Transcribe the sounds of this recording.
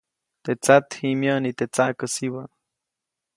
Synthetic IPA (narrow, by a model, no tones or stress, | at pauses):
t̪et͡sat̪himjonit̪et͡saʔkəsiwa